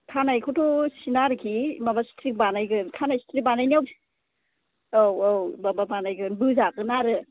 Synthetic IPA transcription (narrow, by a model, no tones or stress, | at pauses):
tʰanajkʰutʰosinaɾɯkʰimabastɾik̚banajɡɯnkʰanajstʰɾik̚banajniawpi | owowbababanajɡɯnbɯzakɯnaɾɯ